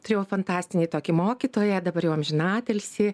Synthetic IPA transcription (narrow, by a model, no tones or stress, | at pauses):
t̪ʊɾʲeːjɛʊfɐnt̪ɑːsʲt̪ʲɪnʲeːt̪oːkʲɪmoːkʲiːt̪oːjɛd̪ɐbɐrjɛːɐmʲʒʲɪnɑːt̪ʲɛlʲsʲɪ